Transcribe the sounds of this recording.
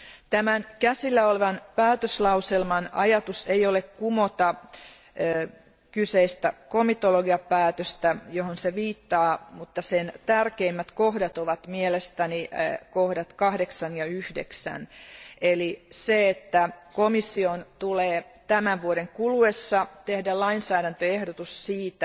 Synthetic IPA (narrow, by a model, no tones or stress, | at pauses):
t̪æmænkæsilːæoleʋɑnpæːt̪øslɑuselmɑnɑjɑt̪usejolekkumot̪ɑː | kyseist̪ækomit̪oloɡiɑpæːt̪øst̪æjohonseʋiːt̪ːɑːmut̪ːɑsent̪ærkeimːæt̪kohdɑt̪oʋɑt̪mielest̪ænikohdɑt̪kɑhdeksɑnjɑyhdeksæ̰neliseet̪ːækomisːiont̪uleːt̪æmæʋʋuoɾeŋkuluesːɑt̪ehdælɑinsæːɾænt̪øehdot̪ussiːt̪æ